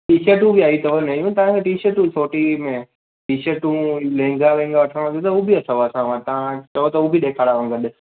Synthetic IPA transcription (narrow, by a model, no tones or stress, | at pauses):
ʈiːʃəʈũbiaːit̪ɐʋonɐijũt̪ɐʋãkʰeʈiːʃəʈũsoːʈimẽ | ʈiːʃəʈũlẽːŋ̆ɡalẽːŋ̆ɡaʋɐʈʰəɽ̃t̪jot̪ɐɦubʱiɐsaoɐsãʋat̪ɐʋ̤ãt͡ɕɐjot̪ɐubʱiɗeːkʰaːɽaʋə̃ŋɡəɗ